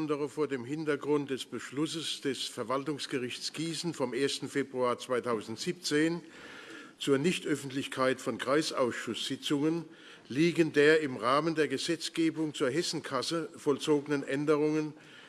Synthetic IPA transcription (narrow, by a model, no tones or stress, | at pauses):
ndəʁəfoːɐdeːmɦɪntɐɡʁʊnt̚d̥ɛsb̥əʃlʊsəsd̥ɛsfɛɐvaltʊŋsɡ̥əʁɪçt͡sɡ̥iːsn̩fɔmʔeːɐstn̩feːbʁuaːɐt͡sv̥aɪtʰaʊzn̩tz̥iːp̚t͡seːn | t͡suːɐnɪçtʔœfn̩tlɪçkʰaɪtfɔnkʁ̥aɪsaʊsʃʊsz̥ɪt͡sʊŋən | liːɡəndeːɐɪmʁaːməndeːɐɡəzɛt͡sɡ̥eːbʊŋt͡suːɐɦɛsn̩kʰasəfɔlt͡soːɡənənʔɛndəʁʊŋən